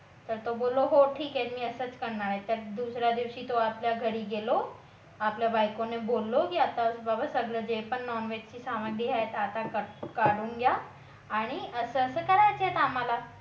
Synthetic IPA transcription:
t̪əɾt̪obolːoɦoʈʰiːkɛt̪miːəsət͡skəɾɳaɾaet̪əɾd̪usɾjad̪iʋɕiːt̪oapljaɡʱəɽiːɡelo | apljabajkonebolːokiat̪asbabasəɡləd͡zepəɳːɔɾnʋed͡ʑt͡ɕiːsaməɡɽiɦaet̪at̪akəkaɽuːŋɡjaː | ɽ̃iəsəsəːkəɾajt͡səɦet̪am̤ala

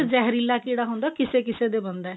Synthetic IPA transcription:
d͡ʒɛːɦɾiːlːaːkiːɽaːɦõːnd̪aːkɪseːkɪseːd̪eːbənd̪ɛː

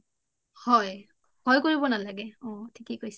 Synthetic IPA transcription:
hɔj | hɔjkoɹibɔnalaɡɛɔ̃tʰi̥kekojs

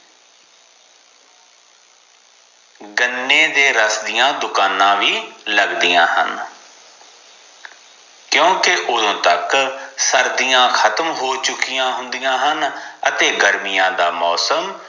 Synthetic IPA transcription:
ɡənːeːd̪eːɾəsd̪ɪjãːd̪ʊkaːnãːʋiːləɡd̪ɪjã̰ːɦə̰n | kjõːkeʔʊd̪õːt̪əksəɾd̪ijãːkʰət̪əmɦoːt͡ʃʊkijãːɦʊ̃nd̪ɪjãːɦənət̪eːɡəɾmɪjãːd̪aːmɔːsəm

